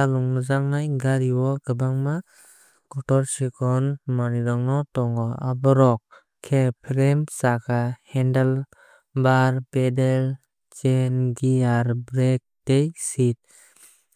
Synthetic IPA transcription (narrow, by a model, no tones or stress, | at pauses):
alɔŋnɔzaŋnajɡaɾiwɔkɯbaŋma | ɡɔtɔɾsikʰɔnmaniɾɔŋnɔtɔŋɡɔabɔɾɔk̚ | kʰːepʰɾemsakʰahɛndal | baɾbedel | t͡ʃenɡiaɾbɾek̚tejsit̚